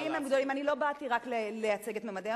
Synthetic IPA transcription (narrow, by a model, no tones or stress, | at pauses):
imemɡd̪olimanilo̞bat̪iʁaklelejat͡se̞ɡe̞t̪memade